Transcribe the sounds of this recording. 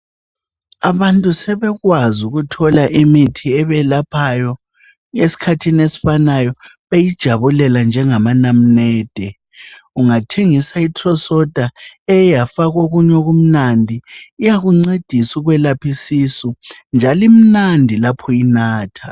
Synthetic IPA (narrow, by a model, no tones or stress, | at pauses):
aβantʼusɛβɛɣwazuɣutʰɔlaʔimitʰiɛβɛlapʰajɔ | esi̥kʰatʰinesi̥fanajɔ | βejid̥ʒ̥ʱaβulɛland͡ʒʱɛŋamanam̩nɛːd̥ʱɛ | uŋatʰeŋisaitʰʼrɔsɔd̥ʱaɛjafaɣoɣuɲoɣum̩nandʱiijaɣuŋ͡ǀed̥ʱisuɣwɛlapʰisisɔnd͡ʒʱalim̩nandʱilapʰɔinaːtʰa